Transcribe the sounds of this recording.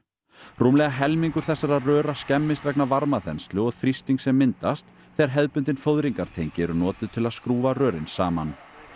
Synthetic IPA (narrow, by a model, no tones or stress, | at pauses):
ruːmlɛɣaɦɛlmiŋkʏɾ̥θɛsːaɾarœːɾascɛmːɪst̪vɛknavaɾmaθɛnst̪lʏɔɣθɾist̪iŋksɛmːɪnt̪ast̪ | θɛɾɦɛðpʏnt̪̬ɪnfowðɾiŋkaɾ̥t̪ʰejɲcɪɛɾʏnɔːt̪ɪðt̪ʰɪlaðskɾuːvarœːɾɪnsaːma̰n